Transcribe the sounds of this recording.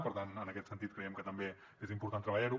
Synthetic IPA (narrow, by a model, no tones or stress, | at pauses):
pəɾt̪anənəkɛt̪sənt̪it̪̚kɾəjɛmkət̪əmbe | ezimpuɾt̪ant̪ɾəβəʎaɾu